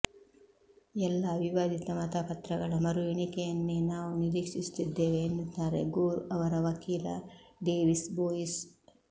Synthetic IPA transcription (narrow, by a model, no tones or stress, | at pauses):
ɛlːɐʋiʋaːd̪ʱit̪ɐmɐt̪ɐpɐt̪ɾɐɡɐɭɐmɐɾueɳikɛjɐnːenaːʋuniɾiːkʂist̪id̪ːeːʋeːnd̪ut̪ːaːɾeɡuːɾuɐʋɐɾɐʋɐkiːlɐ̰ɖeːʋisboːjis